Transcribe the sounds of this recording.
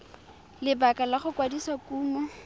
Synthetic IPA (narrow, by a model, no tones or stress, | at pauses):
lɪbakalaχʊkwadiswakuːmɔ